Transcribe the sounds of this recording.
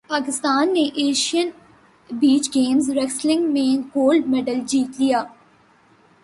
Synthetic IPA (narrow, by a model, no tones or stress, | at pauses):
paːkɪst̪aːnːeʔeːʃijən | biːt͡ʃɡeːmzɾɛkslɪ̃ŋɡmẽɡoːlɖmɛːɖəld͡ʒiːt̪lijaː